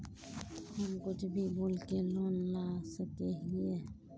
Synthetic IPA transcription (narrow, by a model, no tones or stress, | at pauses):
həmkʊt͡ʃʰbʱiboːlkeloːnlaːsəkeɦie